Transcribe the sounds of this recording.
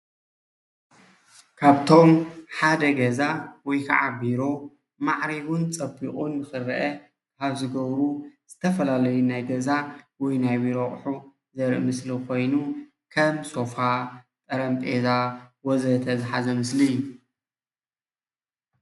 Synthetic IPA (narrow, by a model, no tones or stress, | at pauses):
kʰaβt̪ʰo̞mħad̪ɐɡɐzawɔjkʰa̰ʕabiɾo̞ | maʕɾiβunt͡sʼɐbiχʼunːɨxɨɾʔɐ | kʰaβzɨɡɐβɾuz̥ɨt̪ʰɐfɐlalɐjunajɡɐzawɔjnajbiɾoχʼħu | zɐɾʔɨmɨslikʰo̞jnu | kʰɐmsʼo̞fa | t̪ʼɐɾɐmtʼezawɔzɐt̪ʰɐzɨħazɐmɨsli